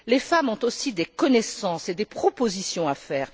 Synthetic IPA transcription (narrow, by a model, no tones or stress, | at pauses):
lefamɔ̃t̪osid̪ekɔnɛsɑ̃sed̪epχɔpozisjɔ̃afɛːʁ